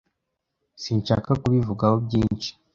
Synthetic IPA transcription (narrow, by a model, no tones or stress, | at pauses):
sint͡ʃakakuβivuɡahobɟiːnt͡ʃi̥